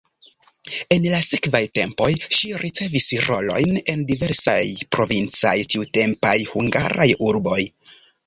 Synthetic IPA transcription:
e̞nlasikvajte̞mpo̞jʃiɾʔit͡se̞visɾo̞̰lo̞̰jne̞ndive̞ɾsa̰jpɾo̞vint͡sa̰jtiute̞mpajhuŋɡa̰ɾʔajuɾbo̞j

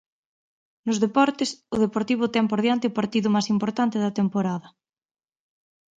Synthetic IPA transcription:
nʊzðepɔɾt̪esʊð̞epoɾt̪iβʊt̪ɛŋpoɾð̞jant̪eɪpaɾt̪iðʊmasimpoɾt̪ant̪ɪðɐt̪empoɾaðɐ

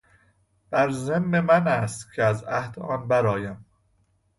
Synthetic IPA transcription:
b̥æɾzemːemænæst̪cʰeæzæhd̪ɒːnbæɾɒːjæm

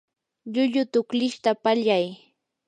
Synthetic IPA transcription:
ʎʊʎʊt̪ʊklɪʃt̪apaʎaj

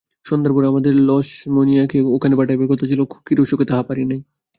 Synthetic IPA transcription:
ʃond̪aɾpuɾeamad̪eɾlɔʃmonijakeokʰanebaʈajbeɾkot̪ʰat͡ɕʰilokʰu̥b̚kiɾoʃoket̪aɦapaɾinaj

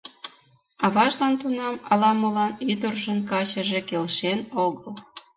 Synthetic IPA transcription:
ɑβɑʒlɑnt̪unɑmɑlɑməlɑnyd̪ərʒənkɑt͡ɕəʒekelʃenoɣəl

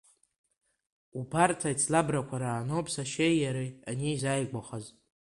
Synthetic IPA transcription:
ubartʰajt͡sʰlabrakʷʰaɾaːnowpʰsaʃejːaɾianiizajɡʷaχaz

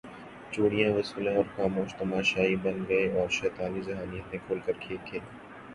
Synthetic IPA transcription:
t͡ʃoːɽijãʋɐsuːlẽɔːɾxaːmoːʃt̪ɐmaːʃaːibɐ̃nɡɐeɔːɾʃɛːt̪aːnizɐɦaːnijət̪ẽkʰoːlkəɾkʰeːkʰeː

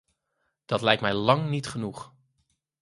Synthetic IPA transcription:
d̥ɑtlɛjktmɛjlɑŋnitχənuχ

